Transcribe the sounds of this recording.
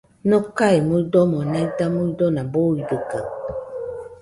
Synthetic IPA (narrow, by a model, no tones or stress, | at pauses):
nɔkaimudɔmɔnaitamuidɔnaboidəka